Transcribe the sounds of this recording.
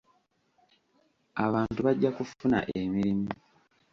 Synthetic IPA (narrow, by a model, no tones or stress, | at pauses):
aβaːntuβaɟːakufuna̰ʔemiɾimu